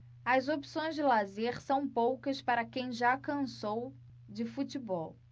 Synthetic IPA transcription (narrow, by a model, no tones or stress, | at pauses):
ɐzopi̥sõj̃zd͡ʒɪlazeɾsɐ̃w̃powkɐspaɾɐkẽj̃ʒakɐ̃sow | d͡ʒɪfut͡ʃɪbɔw